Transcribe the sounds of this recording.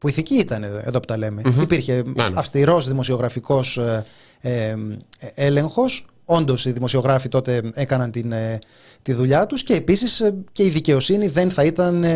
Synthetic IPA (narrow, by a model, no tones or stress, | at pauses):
puiθiciit̪ɐnee̞ðo̞po̥t̪ɐle̞me̞ipiɾçe̞ɐfst̪iɾo̞zðimo̞sio̞ɣɾɐfiko̞s | e | e̞le̞ŋxo̞s | o̞nd̪o̞siðimo̞sio̞ɣɾɐfit̪o̞t̪e̞e̞kɐnɐnt̪in | t̪iðuʎɐt̪usce̞ːpisisce̞iðice̞o̞siniðe̞nθɐit̪ɐn